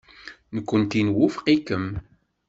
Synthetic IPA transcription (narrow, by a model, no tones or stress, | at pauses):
nəkʷːənt̪inwʊfqikːəm